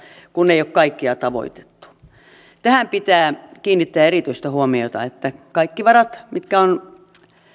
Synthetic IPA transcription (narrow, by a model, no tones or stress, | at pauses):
kunːeiokkɑikːiɑt̪ɑʋo̰it̪e̥t̪ːu̥ | t̪æhæmpit̪æːkiːnːit̪ːeæerit̪yist̪ɑhuomiot̪ɑ̰et̪ːækɑikːiʋɑrɑt̪mit̪kæon